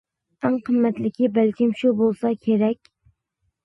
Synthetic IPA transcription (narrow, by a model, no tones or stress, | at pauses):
æŋqʰɨmːæt̪lɪkʲɪbælkʲɪmʃubolˠsɑkʲʰeɾɛkʲ